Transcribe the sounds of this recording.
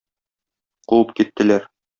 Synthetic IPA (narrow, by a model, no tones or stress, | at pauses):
quwɤp̚kit̪ːɘ̆læɾ